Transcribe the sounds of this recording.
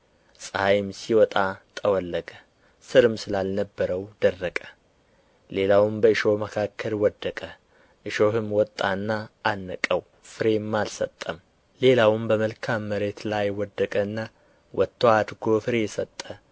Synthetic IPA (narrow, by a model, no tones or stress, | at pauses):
sʼəajmsiwɔt̪ʼat̪ʼəwɔlːəɡʼə | sɨɾɨmsɨlalnəbːəɾəwd̪ərːəkʼə̥ | le̞lawmbəɨʃo̞məkʰakʰːəlwɔd̪ːəkʼə | ʔɨʃo̞hɨmwɔt̪ʼːanːaʔanːəkʼəw | fɨɾe̞mːalsət̪ʼːəm | le̞lawɨmbəməlkʰamːəɾe̞t̪lajwɔd̪ːəkʼəɨnːa | wʔɔt̪ʰːoad̪ɡo̞fɨɾesət̪ʼːə